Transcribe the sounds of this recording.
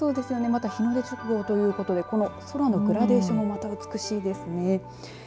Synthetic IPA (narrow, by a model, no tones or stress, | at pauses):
so̞ːd̪e̞sɨjo̞ne̞mat̪açino̞d̪et͡ɕokɯ̟ɡo̞ːt̪o̞jɯ̟ːko̞t̪o̞d̪e̞ko̞no̞so̞ɾano̞ɡɯ̟ɾad̪e̞ːɕomo̞mat̪aɯ̟t͡sɨ̥kɯ̟ɕiːd̪e̞sɨne̞